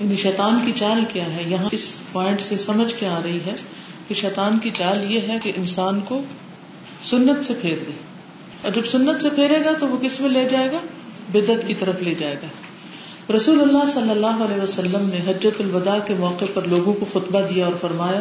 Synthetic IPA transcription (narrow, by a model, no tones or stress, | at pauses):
jaːniʃɛːt̪aːnkit͡ʃaːlkjaːɦɛjɐɦãɪspɔːɪ̃ɳʈsesɐməd͡ʒʱkeaːɾɐɦiɦɛ | keʃɛːt̪aːnkit͡ʃaːljeɦɛkeʔɪnsaːnko | sʊnːət̪sepʰeːɾd̪eː | ɔːɾd͡ʒɐbsʊnːət̪sepʰeːɾeːɡat̪oʋokɪsmẽleːd͡ʒaːeːɡaː | bɪd̪ət̪kit̪ɐɾəfleːd͡ʒaːeːɡaː | ɾɐsuːlʊlːasɐlːəlːaːɦoɐlɛːʋasɐlːəmneɦɐd͡ʒːət̪ʊlʋɐd̪akemɔːqepɐɾloːɡõkoxʊt̪bad̪ijaɔːɾfɐɾmaːja